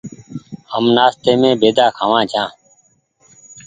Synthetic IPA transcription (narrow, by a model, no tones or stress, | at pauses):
həmnaːst̪eːmẽːbeːd̪aːkʰaːʋãːd͡ʒʰãː